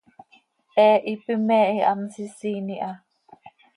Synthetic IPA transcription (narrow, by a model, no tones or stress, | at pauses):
ʔɛʔipimeʔia̰msisiniʔa